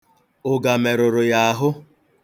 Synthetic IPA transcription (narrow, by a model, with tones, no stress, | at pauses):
ʊ˨ɡa˨me˨ɾʊ˨ɾʊ˨ja˨a˨ɦʊ˦